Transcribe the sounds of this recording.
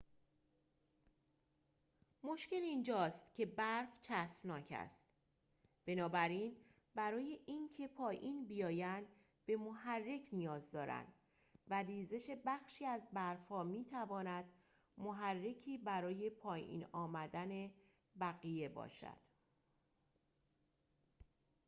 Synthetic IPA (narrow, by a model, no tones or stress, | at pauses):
mo̞ʃce̞lind͡ʒɒːst̪cʲʰe̞bæɾft͡ʃʰæsfnɒːcʰæ̰st̪ | b̥e̞nɒːbæɾiːn | bæɾɒːje̞ʔiːncʰe̞pʰɒːjiːnbijɒːjænd̪ | b̥e̞mo̞ɦærːe̞cʰnijɒːzd̪ɒːɾæ̰nd̪̥ | væriːze̞ʃe̞bæxʃiːæzbæɾfhɒːmiːt̪ʰævɒːnæd̪̥ | moɦærːe̞cʰiːbæɾɒːje̞pʰɒːjḭːnɒːmæd̪æne̞ | bæɣije̞bɒ̰ːʃæ̰d̪̥